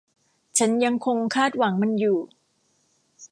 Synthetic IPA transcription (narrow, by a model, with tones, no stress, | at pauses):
t͡ɕʰa˦˥nja˧ŋkʰo˧ŋkʰaː˥˩t̪̚wa˩˦ŋma˧njuː˨˩